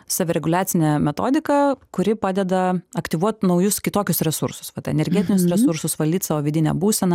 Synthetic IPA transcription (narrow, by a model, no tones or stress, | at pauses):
sɑːʋʲɪɾʲɛɡʊlʲæːt̪sʲɪnʲɛmʲɛt̪oːd̪ʲɪkɐkʊɾʲɪpɑːd̪ʲɛd̪ɐɐkt̪ʲiʋuɔt̪nɒʊjʊskʲɪt̪oːkʲʊsɾʲɛsʊ̰ɾsʊ̥sʋɐt̪ɐɛ̰nʲɛɾʲɡʲɛt̪ʲɪnʲʊsɾʲɛsʊɾsʊsʋɐlʲd̪ʲiːt̪sɑːʋoːʋʲɪdʲɪnʲɛ̰buːsʲɛnɐ